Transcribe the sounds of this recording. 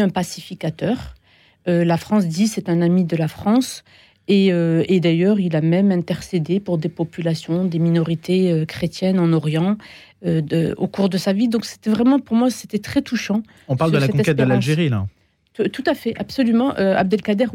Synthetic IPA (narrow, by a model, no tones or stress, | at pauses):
ɛ̃pasifikat̪œʁ | ølafχɑ̃s̬d̪isɛt̪ɛ̃namid̪əlafχɑ̃s | eøed̪ajœʁilamɛmɛ̃t̪ɛʁsed̪epuʁd̪epɔpylasjɔ̃d̪eminɔʁit̪ʰeøkχet̪jɛnɑ̃nɔʁjɑ̃ | øø̰okuʁd̪əsavid̪ɔ̃kse̥t̪ɛvʁɛmɑ̃puʁmwase̥t̪ɛt̪χɛt̪uʃɑ̃ | ɔ̃paʁldd̪əlaɛkɔ̃ɛkɛt̪̚d̪əlaʒeʁila̰ | t̪ut̪afɛʔabsɔlymɑ̃ʔøa̰b̚d̪ɛlkad̪ɛʁ